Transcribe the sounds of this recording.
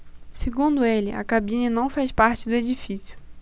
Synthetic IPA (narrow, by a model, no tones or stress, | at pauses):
seɡũnd̪ʊelɪʔa̰kabĩnɐnɐ̃w̃fajspaɾt͡ʃɪd̪ʊed͡ʒifisjʊ